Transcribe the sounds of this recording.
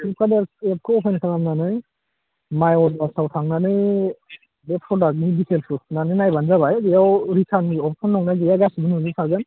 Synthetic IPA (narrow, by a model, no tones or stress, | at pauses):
ikʰadɛɛp̚kʰɯɔpʰenkʰaŋamnanɯj | majɔtbasawtʰaŋnanɯj | bɛpʰɾɔdak̚nidiselpʰusnanɯnajbanzabajɡijawɾisʰaniɔpʰsʰɔnːɔŋnajɡijaɡasibɯnzusʰaɡan